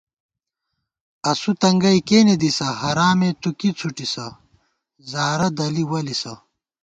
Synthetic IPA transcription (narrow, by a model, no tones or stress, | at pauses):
ɐsut̪ɐŋɡɐjkeːned̪isɐhɐɾaːmet̪ukit͡sʰuʈisɐ | zaːɾɐd̪ɐliwɐlisɐ